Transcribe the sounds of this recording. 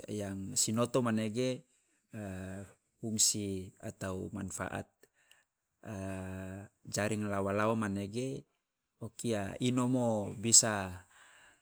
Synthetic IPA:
jaŋsinot̪ɔmaneɡe | uŋsia̰t̪aumanfa̰ʔa̰t̪̚ | d͡ʒaɾiŋlawalawamaneɡe | okiainomobisa

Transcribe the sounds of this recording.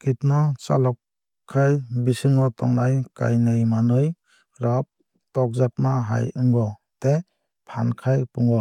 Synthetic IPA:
kitnɔsa̰lɔk | kʰːajbisɯŋɔtɔŋnajka̰jnɯjmanɯj | ɾap̚ | tɔk̚zak̚naɦa̰jɯŋɡɔ | te | pʰankʰajpuŋɡɔ

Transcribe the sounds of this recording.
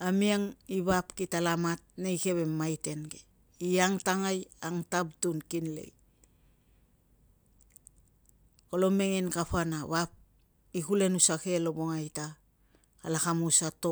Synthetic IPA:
amiaŋiβapkitalamat̚nejke̞βemːajte̞nɡe | iaŋtaŋajaŋtab̚tunkinle̞̰j | olo̞me̞ŋenkapanaβap̚ | ikule̞nusake̞lo̞boŋajta | kalakamusato

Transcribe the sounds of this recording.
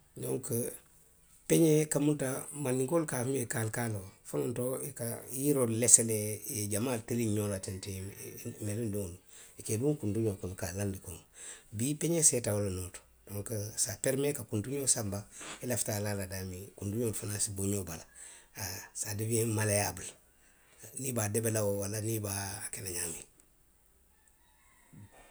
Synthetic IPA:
doŋkə | peɲekamuntamanːiŋkolkafmekalkalofanontoikajiɾolleselejeɟamaːlteliɲolatentenelinduŋluikeduŋkunduɲokolkalːandikoŋobipeɲesetawolonoːto̥ | d̥oŋksapeɾmekakuntuɲoːsambaelaftaːlaladamikunduɲoːlfanasiboɲobalaasadibiemalejabəl | nibadebelawowalanibakenaɲaːmi

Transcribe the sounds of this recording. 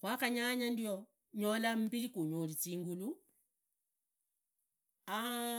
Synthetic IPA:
kwakaɲaɲandio | ɲolam̩pilikuɲolit͡siːŋɡulu | a

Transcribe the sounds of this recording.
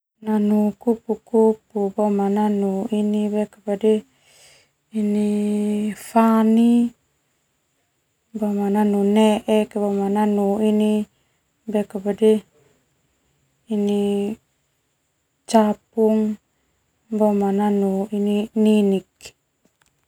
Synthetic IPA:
nanukupukupubamananuinibekapadɛ | ini | fani | bamananunɛʔɛkbamananuini | bɛkapadɛ | ni | t͡ʃap̚uŋ | bamananuinininik

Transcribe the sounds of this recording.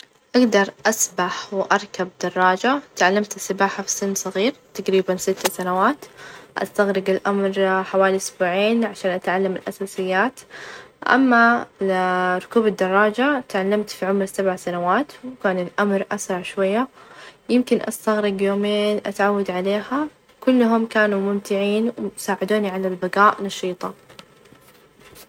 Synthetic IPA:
ʔaɡd̪ɑɾˤʔasbaħwʔɑɾˤkab̚d̪ɑrˤːɑːd͡ʒat̪ʕalːamt̪ɪsːɪbaːħafi̥sɪnːsˤɑɣiːɾt̪aqɾiːbansɪt̪ːasanawaːt̪ʔa̰st̪aɣɾɪɡɪlʔamɾħawaːliʔʊsbuːʕeːnʕaʃaːnʔat̪ʕalːamɪlʔasaːsɪjːaːt̪ʔa̰mːa | ɾˤʊkuːbad̪ːɑrˤːɑːd͡ʒat̪ʕalːamt̪fiʕʊmɾsabʕasanawaːt̪wkaːnɪlʔamɾˤʔasɾˤɑʕʃwajːajɪmkɪnʔa̰st̪aɣɾɪɡjoːmeːnʔa̰t̪ʕawːad̪ʕaleːha | kʊlːɦʊmkaːnumʊmt̪ɪʕiːnwsaːʕɪd̪uːniʕalalbaɡaːʔnɑʃiːt̪ˤɑ

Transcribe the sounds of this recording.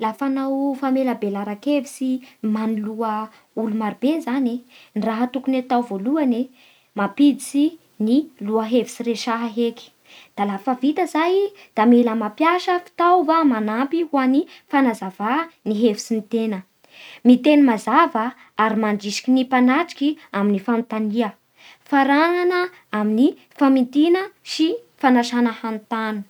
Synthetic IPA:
lafanawfameləbelaɾakevisimaniluə | ulumaɾibezaneniraɦət̪ukunet̪awvoluane | mapid̪it͡si | niluəɦevi̥siɾeʃaɦaɦeki̥ | d̪̥alafəvit̪əzaj | d̪̥ameləmapjaʃəfi̥t̪awvamanampiwanifanazavaniɦevfi̥t͡sinit̪enə | mit̪enimazavə | aɾimaɳɖ͡ʐiʃi̥kʲinipanaʈ͡ʂi̥kiaminifant̪aniə | faɾaŋanə | amini | famint̪inəʃifanaʃanəhant̪anu̥

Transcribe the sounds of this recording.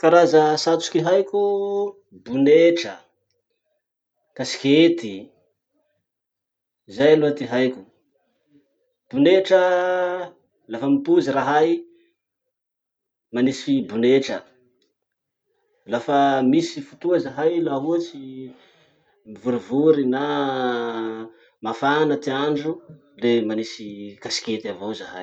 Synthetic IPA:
kaɾazəsat͡su̥kʲiɦajkʲu | buneʈ͡ʂə | kasi̥kʲet̪i | zajaluat̪iɦajkʲu̥ | b̥uneʈ͡ʂə | lafəmipuziɾaɦaj | manisfibuneʈ͡ʂə̰ | lafəmisifut̪uazaɦajlaɦut͡si | mivuɾivuɾina | mafanət̪iaɳɖ͡ʐu | lemanisikasi̥kʲet̪avozaha̰j

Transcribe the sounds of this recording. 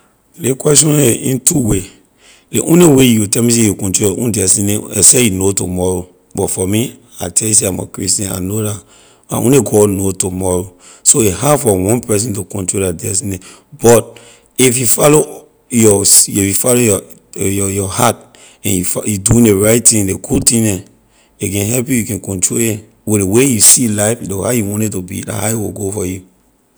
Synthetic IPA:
lekwɛstɔ̃nɛḭ̃ntuwe | leʔõ̰newejutɛmis̬ĩjukɔ̃ntɹolṵ̃ndɛsinẽɛ̰sejunotomɔɹo | bɔtfɔmi | a̰tɛjus̬eãma̰kɹistɛ̃na̰nola | a̰õ̰neɡɔnotumɔɹo | soehafɔwɔ̃npɛs̬ĩntukɔ̃ntɹoladɛsinẽ | bɔt̚ | ifjufɔlo | jɔifjufalojɔ | jɔjɔhat̚ | ɛ̃njufjuduĩndeɹaɪt̚tːĩleɡud̚tĩnɛ̃ | ekɛ̃nɦɛlp̬jujukɛ̃nkɔ̃ntɹolɛ̃ | welwejusilaɪflhajuwɔ̃ntɛtubia̰haiwiɡofɔju

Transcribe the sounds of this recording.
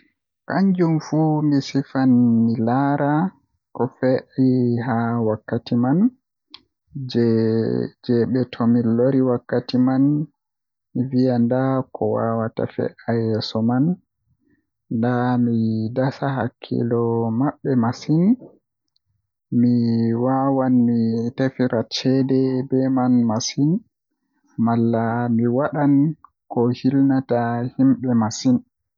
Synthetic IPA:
kaɲd͡ʒumfumisifanmilaɾa | kɔfɛʔiɦawakːatiman | d͡ʒɛɓɛtʰɔmiloɾiwakːatiman | mivijandakʰɔwa̰wata̰fɛ̰ʔajɛsɔman | damidasaɦa̰kʰːḭlɔmaɓːɛmasin | miwawanmitafiɾʔat͡ʃɛdɛbɛmanmasin | malːamiwaɗan | kɔhilnatahimɓɛmasin

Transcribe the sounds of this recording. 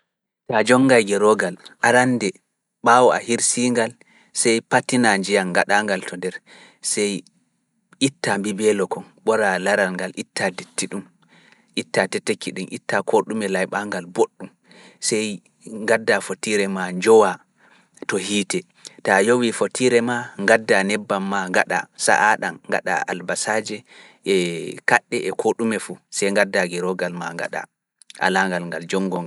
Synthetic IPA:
tad͡ʒɔŋːɡajɡɛɾɔɡalʔaɾandɛ | ɓawɔʔa̰hiɾsiːŋɡal | sɛjpatːinaɲd͡ʒijaŋɡa̰ɗaːŋɡaltʰɔndɛɾ | sɛj | ʔitːambibɛlɔkɔnɓɔɾalaɾalŋɡalʔitːadetːiɗum | ʔitːatɛtːekːiɗumʔḭtːakʰoɗumɛlajɓaŋɡalboɗːum | sɛj | ŋɡadːafotiɾɛmaɲd͡ʒɔwa | tɔhiːtɛ | tajowifotʰiɾɛmaŋɡadːanɛbːamːaŋɡaɗa̰sa̰ʔaɗanŋɡa̰ɗa̰a̰lbasad͡ʒɛ | ʔɛkaɗːɛʔɛkʰoɗumɛfusɛjŋɡadːaɡɛɾɔɡalmaŋɡa̰ɗa̰ | ʔa̰laŋɡalŋɡald͡ʒɔŋɡɔŋ

